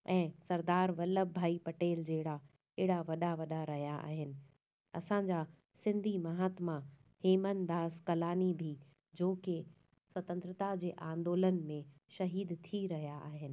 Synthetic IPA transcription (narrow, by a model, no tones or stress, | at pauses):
ɛ̃ːsɐɾd̪aːɾʋɐləbbʱaːipɐʈeːld͡ʑeɦɪɽa | ɪːɽaʋɐɗaʋɐɗaɾɐɦijaʔa̰ːɦɪnɪ̆ | ɐsãːɲd͡ʑa | sɪ̃nd̪ʱimɐɦaːt̪ma | heːmənd̪aːskɐlaːnibʱi | d͡ʑoːke | swɐt̪ə̃nt̪ɾət̪ad͡ʑeːʔãːnd̪oːlənmẽʃɐɦiːd̪t̪ʰiɾɐɦjaʔaːɦɪnɪ̆